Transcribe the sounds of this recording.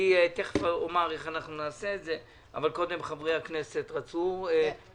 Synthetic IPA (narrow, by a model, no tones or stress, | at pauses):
iet̪eχfaomaʁeχanaχnunaːseːtze | a̰valko̞d̪e̞mχavʁejakne̞set̪ʁat͡sue